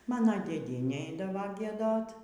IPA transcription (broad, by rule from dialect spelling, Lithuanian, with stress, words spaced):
ˈmɑːnoː dʲeːˈdʲiɛnʲeː ˈɛɪdɐʋoː ɡʲiɛˈdoːt